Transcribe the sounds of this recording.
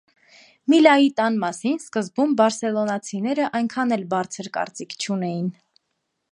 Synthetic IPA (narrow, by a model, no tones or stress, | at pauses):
milɑjit̪ɑnmɑsinskəzbumbɑɾsɛlɔnɑt͡sʰinɛɾəʔɑjŋkʰɑnɛlbɑɾt͡sʰəɾkɑ̰ɾt͡sikʰt͡ʃʰunɛjin